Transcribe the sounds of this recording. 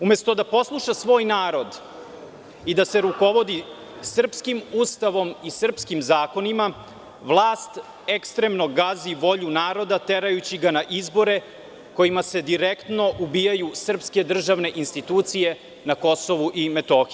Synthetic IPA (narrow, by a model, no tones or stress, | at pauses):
ume̞st̪o̞d̪apo̞slˠuʃasʋo̞ːjnaːɾo̞d̪ | id̪ase̞ɾuko̞ʋo̞d̪i | sr̩pskimust̪aʋo̞misr̩pskimzaːko̞nima | ʋlˠaːst̪ | ekst̪ɾemno̞ɡaziʋo̞ʎunaːɾo̞d̪at̪eɾajut͡ɕiɡanaʔizbo̞ɾe̞ | ko̞jimase̞d̪iɾekt̪no̞ʔubijajusr̩pske̞d̪r̩ʒaʋne̞ʔinst̪it̪uːt̪sije̞ | nako̞so̞ʋuʔime̞t̪oːxi